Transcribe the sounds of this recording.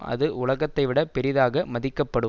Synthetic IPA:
ɐ̰ðɯʔʊlɐɣɐt̪ːɐɪʋɪɽɐpɛɾɪðaːɣɐmɐðɪkːɐpːɐɽɯ

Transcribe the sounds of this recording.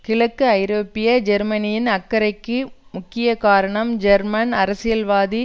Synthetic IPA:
kɪɭɐkːɯɐjɾoːpɪjɐd͡ʒɛɾmɐnɪjɪnɐkːɐɾɐɪkːɯmʊkːɪjɐkaːɾɐɳɐmd͡ʒɐɾmɐnɐɾɐsɪjɐlʋaːði

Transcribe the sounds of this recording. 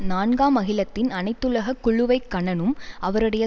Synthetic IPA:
naːɳɡaːmɐɣɪlɐt̪ːɪnɐnɐɪt̪ːɯɭɐɣɐkːʊɻɯʋɐɪkːɐɳɐnɯmɐʋɐɾɯɽɐjɐ

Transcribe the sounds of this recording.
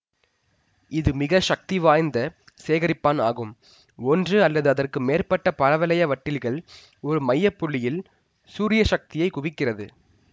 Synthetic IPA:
ɪðɯmɪɣɐʂɐk̚t̪iʋaːjnd̪ɐ | seːɣɐɾɪpːaːna̰ːɣɯm | ɔndrɯɐlːɐðɯɐðɐrkɯmeːrpɐʈːɐpɐɾɐʋɐlɐjɐʋɐʈːɪlɣɐɭ | ɔɾɯmɐjːɐpːʊɭːɪjɪl | suːɾɪjɐʂɐk̚t̪ɪjɐɪkʊʋɪkːɪrɐðɯ

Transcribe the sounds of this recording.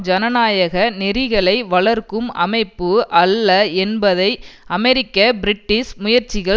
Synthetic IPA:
d͡ʒɐnɐnaːjɐɣɐnɪɾɪɣɐɭɐɪʋɐɭɐɾkɯmɐ̰mɐɪpːɯʔɐlːɐɛnbɐðɐɪɐmɛɾɪkːɐbɪɾɪʈːɪsmʊjɐɾt͡ʃːɪɣɐɭ

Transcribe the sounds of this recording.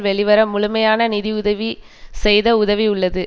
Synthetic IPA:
ʋɛɭɪʋɐɾɐmːʊɭʊmɐjaːnɐnɪðiʊðɐʋi | sɛjðɐʊðɐʋiʊɭːɐðɯ

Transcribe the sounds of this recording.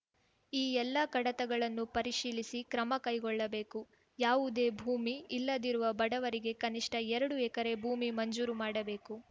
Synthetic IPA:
iːɛlːɐkɐɽɐt̪ɐɡɐɭɐnːupɐɾiʂiːlisikɾɐmɐkɐjɡɔɭːɐbe̞ːku | jaːʋud̪e̞ːbʱuːmiːlːɐd̪iɾuʋɐbɐɽɐʋɐɾiɡe̞kɐniʂʈɐɛɾɐɽuɛkɐɾe̞bʱuːmimɐɲd͡ʒuːɾumaːɽɐbe̞ːku

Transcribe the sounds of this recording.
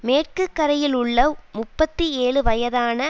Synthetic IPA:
meːʈ̚kɯkːɐɾɐjɪlʊɭːɐmʊpːɐt̪ːieːɭɯʋɐjɐðaːnɐ

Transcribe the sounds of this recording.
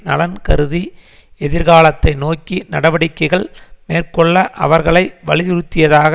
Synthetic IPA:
nɐlɐnkɐɾɯði | ɛðɪɾɣaːɭɐt̪ːɐɪnoːkːinɐɽɐʋɐɽɪkːɐɪɣɐɭmeːrkɔɭːɐʔɐ̰ʋɐɾɣɐɭɐɪʋɐɭɪjɪɾɯt̪ːɪjɐðaːɣ

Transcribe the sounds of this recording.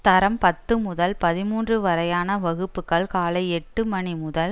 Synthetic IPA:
t̪ɐɾɐmpɐt̪ːɯmʊðɐlpɐðɪmuːndrɯʋɐɾɐjaːnɐʋɐɣɯpːɯkːɐɭkaːlɐɪɛʈːɯmɐɳimʊðɐl

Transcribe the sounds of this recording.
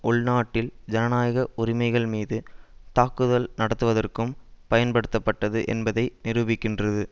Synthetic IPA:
ʔʊɭnaːʈːɪld͡ʒɐnɐnaːjɐɣɐʔʊɾɪmɐɪɣɐɭmiːðɯt̪aːkɯðɐlnɐɽɐt̪ːɯʋɐðɐrkɯmpɐjɐnpɐɽɯt̪ːɐpːɐʈːɐðɯʔɛ̰nbɐðɐɪnɪɾɯbɪkːɪndrɐðɯ

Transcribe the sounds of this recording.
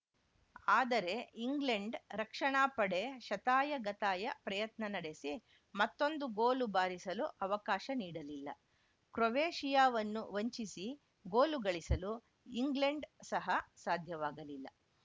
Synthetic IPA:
aːd̪ɐɾe̞iŋɡleɳɖɾɐkʂɐɳaːpɐɽe̞ʃɐt̪aːjɐɡɐt̪aːjɐpɾɐjɐt̪nɐnɐɽe̞si | mɐt̪ːo̞nd̪uɡoːlubaːɾisɐluʔɐʋɐkaːʃɐniːɽɐlilːɐ̰ | kɾoʋeːʂijaːʋɐnːuʋɐɲt͡ʃisi | ɡoːluɡɐɭisɐlu | iŋɡleɳɖsɐɦɐsaːd̪ʱjɐʋaːɡɐlilːɐ̰

